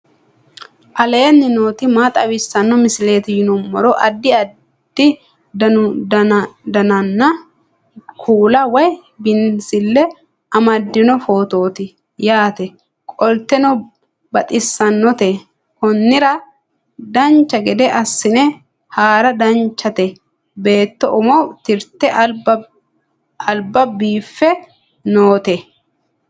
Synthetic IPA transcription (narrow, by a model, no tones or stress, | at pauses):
ʔɐlenːɪnoːt̪ɪmaːt̪ʼɐwɪsːɐnːɔmɪsɪle̞ːt̪ɪjɪnʊmːɔɾɔʔɐd̪ːɪɐ | d̪̥ɪ | d̪ɐʊ | d̪ɐnɐnːɐ | kʰuːlɐwɐj | bɪnsɪlːɛ | ɐmɐd̪ːɪnɔfo̞ːt̪o̞ːt̪ɪ | jaːt̪ɛ | kʼɔlt̪ːɛnɔ | bɐt̪ʼɪsːɐnːɔt̪ɛ | hɔnːɪɾɐ | d̪ɐnt͡ʃːɐɡɛd̪ɛʔɐsːɪnɛ | haːɾɐd̪ɐnt͡ʃːɐt̪ɛ | be̞ːt̪ːɔʔʊmɔwt̪ɪɾt̪ːɛ | ɐlbɐbiːfːɛ | no̞ːt̪ɛ